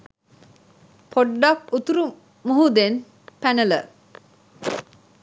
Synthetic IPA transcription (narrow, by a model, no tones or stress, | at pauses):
pʰoɖːakut̪uɾu | muɦud̪en | pænələ